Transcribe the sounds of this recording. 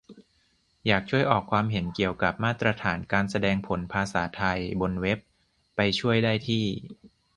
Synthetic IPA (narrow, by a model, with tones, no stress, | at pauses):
jaː˨˩k̚t͡ɕʰu˥˩əjʔɔː˨˩kʰwaː˧mɦe˩˦nki˨˩əwka˨˩p̚maː˥˩t̪ːɾa˧t̪ʰaː˩˦nkaː˧nsa˧dɛː˧ŋpʰo˩˦npʰaː˧saː˩˦t̪ʰa˧jbo˧nwe˦˥pː | a˧jt͡ɕʰu˥˩əjdaː˥˩jt̪ʰiː˥˩